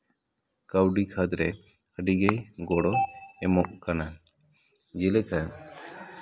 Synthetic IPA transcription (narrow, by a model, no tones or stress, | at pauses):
kəwɖikʰad̪ɾɛ | əɖiɡejɡɔɽɔɛmɔʔkana | d͡ʒilɛkʰa